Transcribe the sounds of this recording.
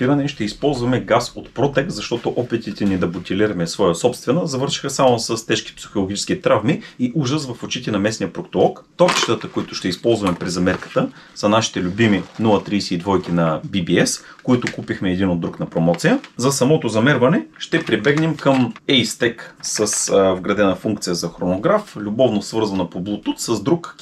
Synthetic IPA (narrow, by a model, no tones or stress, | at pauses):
iɾɐd̪ɛnʃt̪ɛispɔlˠzvɐmɛɡasot̪pɾɔt̪ɛk̪zɐʃt̪ɔt̪oʔɔpɛt̪it̪ɛnid̪ɐbut̪ʲiliɾɐmɛsvɔjəsɔpst̪vɛnɐzɐvɤɾʃi̥xəsamosəst̪ɛʃk̟i̥psi̥xolˠoɡ̟ʲit͡ʃɛ̥sk̟it̪ɾavmiiʔuʒəsvɐfot͡ʃit̪ɛnɐmɛsnijəpɾokt̪olˠɔkt̪ɔt͡ʃi̥t̪ət̪əkoit̪ʊʃt̪ɛispɔlˠzvɐmɛpɾizɐmɛɾkə̥t̪ə | sɐnaʃi̥t̪ɛlʲʊbiminulˠɐt̪ɾiːsiːd̪vɔjkinɐbibiɛskoit̪ʊkupixmɛːd̪inod̪ːɾuknɐpɾomɔt̪sijəzɐsɐmɔt̪ozɐmɛɾvɐnɛʃt̪ɛpɾibɛɡnɛmkəmɛjst̪ɛksəsvɡɾɐd̪ɛnəfuŋkt̪sijəzɐxɾonoɡɾaflʲʊbɔvnosvɤɾzɐnɐpoblˠʊt̪ut̪səzd̪ɾuk